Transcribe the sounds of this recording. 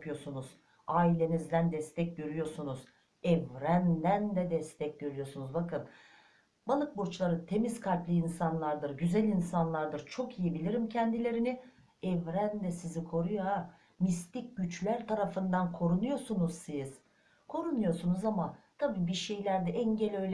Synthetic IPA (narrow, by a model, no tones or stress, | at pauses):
pʰɯjo̞sunuz̥ | aːilʲe̞nizd̪ænd̪ɛst̪ʰɛc̚ɟøɾyjo̞sunuz̥ | ɛvɾænd̪ænd̪ɛd̪ɛst̪ʰɛc̚ɟøɾyjo̞sunuzbakʰɯn | balˠɯk̚buɾt͡ʃlˠaɾɯt̪ʰe̞mizkʰalʲplˠɯinsanlˠaɾd̪ɯɾɟyzælʲinsanlˠaɾd̪ɯɾt͡ʃʰo̞kijibilʲiɾimcʰɛnd̪ilʲe̞ɾini | ɛvɾænd̪ɛsizikʰo̞ɾujoa | mist̪ic̚ɟyt͡ʃlʲæɾt̪ʰaɾafɯnd̪ankʰo̞ɾunujo̞sunuz̥siz̥ | kʰo̞ɾunujo̞sunuzamat̪ʰabiːbiɾʃejlʲæɾd̪ɛʔɛɲɟelʲø̞jlʲɛ